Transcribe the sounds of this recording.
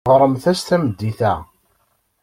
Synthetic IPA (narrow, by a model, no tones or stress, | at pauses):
ʁɾˤəmθæst̪æməd̪ːiθæ